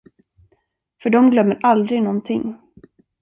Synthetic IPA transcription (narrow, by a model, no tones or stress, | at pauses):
fœɖɔmɡlœmːəɾʔald̪ɾɪɡnɔnt̪ʰɪŋː